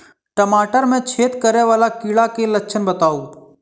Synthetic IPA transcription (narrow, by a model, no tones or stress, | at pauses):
ʈəmaːʈəɾmẽt͡ʃʰeːt̪kəɾeʋaːlakiːɭakeləkːt͡ʃʰənbət̪aːuː